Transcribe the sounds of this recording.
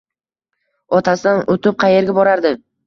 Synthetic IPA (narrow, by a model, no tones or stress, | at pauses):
ɒt̪ʰasɪd̪anot̪ɪp̚qʰɑje̞ɾɡʲabɒɾaɾd̪ɪ